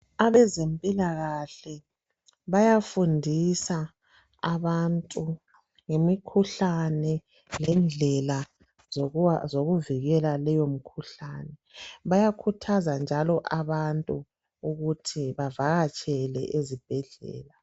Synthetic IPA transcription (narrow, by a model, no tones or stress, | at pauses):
aβɛzempʼilaɣaɬɛ | βajafundʱisa | aβantʼu | ŋemikʰuɬanɛ | lɛnd͡ɮʱɛla | zoɣuviɣɛlalɛjom̩kʰuɬanɛβajakʰutʰazand͡ʒʱalɔʔaβantʼu | uɣutʰiβavaɣat͡ʃʼɛlɛ̰ʔezib̥ʱɛɮɛ̰ːla